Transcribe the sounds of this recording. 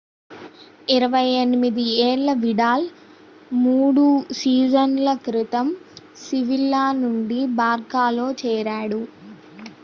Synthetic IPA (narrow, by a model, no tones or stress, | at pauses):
iɾɐʋɐjenimid̪ieːɭːɐʋiɽaːl | muːɽusiːd͡ʒɐnlɐkɾit̪ɐm | siʋilːaːnuɳɖibaːɾɡaːlo̞ːt͡ʃɛːɾaːɽu